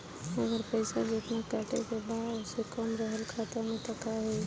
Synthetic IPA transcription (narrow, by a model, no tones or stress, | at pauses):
əɡəɾpəɪsad͡ʒet̪nakaːʈekebaʊsekəmɾəɦəlkʰaːt̪əmẽt̪əkaɦɛː